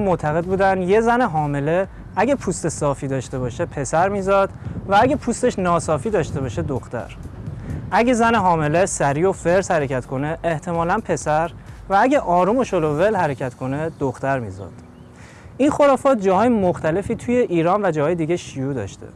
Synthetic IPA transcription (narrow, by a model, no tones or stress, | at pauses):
mot̪ʰæɣe̞d̪̚buːd̪ænd̪je̞zæneɦɒːme̞le̞ | æɟepʰuːst̪e̞sɒːfiːd̪ɒːʃt̪e̞βɒːʃepʰe̞sæɾmiːzɒd̪̥vææɟepʰust̪eʃnɒːsɒːfiːd̪ɒːʃt̪e̞βɒːʃed̪oxt̪æ̰ɾ | ʔæɟezæneɦɒːme̞lesæɾiːo̞feɾshæɾecʰæt̪kʰo̞ne̞ʔːht̪ʰe̞mɒːlænpʰe̞sæɾ | vææɟeʔɒːɾumoʃolovelhæɾecʰæt̪kʰo̞ne̞d̪̥oxt̪æɾmḭːzɒ̰ːd̪̥ | inxo̞ɾɒːfɒːt̪̚d͡ʒɒːhɒːjemoxt̪ʰæle̞fiːt̪ʰuje̞ʔiːɾɒːnvæd͡ʒɒːhɒːjed̪iɟeʃijuːd̪ɒ̰ʃt̪e̞̰